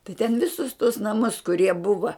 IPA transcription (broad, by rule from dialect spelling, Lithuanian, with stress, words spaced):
tɐɪ tʲɛn ˈʋʲɪsʊs tuɔs nɐˈmʊs kʊˈrʲiɛ ˈbʊʋɐ